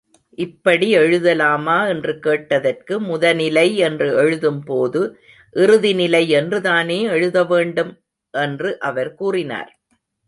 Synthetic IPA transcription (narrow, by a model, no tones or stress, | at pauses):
ʔɪpːɐɽiɛɻɯðɐlaːmaːɛndrɯkeːʈːɐðɐrkɯmʊðɐnɪlɐɪɛndrɯɛɻɯðɯmpoːðɯ | ʔɪɾɯðɪnɪlɐɪɛndrɯðaːneːɛɻɯðɐʋeːɳɖɯm | ʔɛndrɯʔɐʋɐɾkuːrɪna̰ːɾ